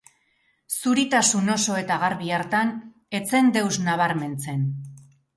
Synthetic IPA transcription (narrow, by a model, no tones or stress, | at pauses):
suɾit̪asuno̞so̞e̞t̪aɣaɾβiaɾt̪an | e̞t͡se̞nd̪e̞wznaβaɾme̞nt͡se̞n